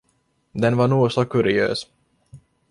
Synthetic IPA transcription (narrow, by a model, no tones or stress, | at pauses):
d̪ɛnvanuːsɔkʰɵɾɪø̰ːs